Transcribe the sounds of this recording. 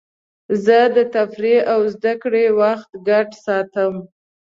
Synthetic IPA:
zəd̪ət̪afɾeawzd̪akɽewaxt̪ɡaʈsɑt̪əm

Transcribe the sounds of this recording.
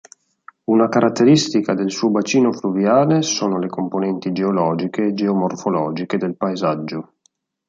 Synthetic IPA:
unakaɾat̪ːeɾist̪ikad̪elsuːobat͡ʃiːnofluvjaːlesoːnolekomponɛnt̪id͡ʒeolɔːd͡ʒikeːd͡ʒeomorfolɔːd͡ʒiked̪elpaezad͡ʒːo

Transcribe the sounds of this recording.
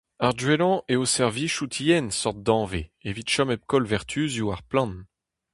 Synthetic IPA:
aʁdɥelɑ̃ʔeosɛʁviʃut̪ʰijɛnsɔʁt̪̚d̪ɑ̃veevit̪ʃɔmɛp̚kɔlvɛʁt̪ʰyzjuaʁplɑ̃n

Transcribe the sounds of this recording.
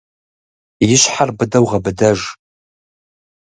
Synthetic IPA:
jɪɕħarbɨdɐwʁɐbɨdɐʒ

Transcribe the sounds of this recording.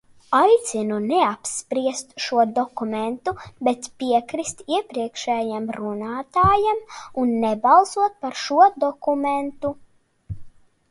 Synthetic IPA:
ajt̪sinunɛapspɾiɛst̪ʃuɔd̪ɔkumɛnt̪ubɛt̪piɛkɾist̪iɛpɾiɛkʃɛːjamɾunaːt̪aːjamunːɛbalˠsuɔt̪̚paɾʃuɔd̪ɔkumɛnt̪u

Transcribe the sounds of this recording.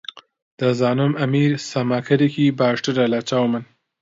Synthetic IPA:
d̪̥əzɑːnʊmamiɾsamakʰaɾikibaːʂʈəɾalat͡ʃawman

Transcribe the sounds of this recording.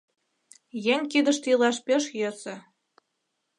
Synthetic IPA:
jeŋʲkid̪ə̆ʃt̪ilɑʃpʲeʃjø̆sĕ

